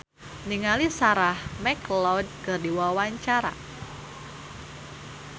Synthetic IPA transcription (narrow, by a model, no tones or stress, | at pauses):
niŋalisaɾahmɛklɔd̚kɨrdiwawaɲt͡ʃaɾa̰